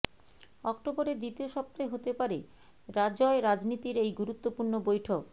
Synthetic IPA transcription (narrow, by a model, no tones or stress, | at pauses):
ɔk̚ʈoboɾed̪it̪ioʃɔp̚t̪ɾoeɦot̪epaɾe | ɾad͡ʑɔeɾad͡ʑnit̪iɾejɡuɾut̪ːopuɾnobojʈʰok